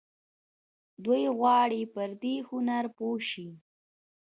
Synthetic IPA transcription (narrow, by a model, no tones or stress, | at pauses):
d̪ujɣwɑɽipəɾd̪ehʊnaɾpoʃi